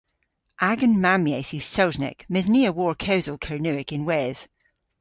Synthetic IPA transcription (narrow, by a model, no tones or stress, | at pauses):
ʔaɡə̃nmamjeθʉsaʊznɪ̰kmɪzniəwɔɹkʰɛwzəlˠkʰəɹnʉɪkɪ̃nwɛð̥